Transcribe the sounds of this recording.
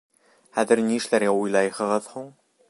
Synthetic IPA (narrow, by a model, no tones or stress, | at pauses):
χæðɘ̆ɾniɘ̆ʃlæɾɡæujlˠɑjhɤ̆ʁɤðhuɴ